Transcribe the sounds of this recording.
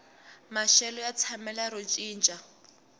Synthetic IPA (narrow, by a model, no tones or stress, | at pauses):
maʃɛlɔjat͡sʰamɛlaɾot͡ʃʼiːnt͡ʃʼa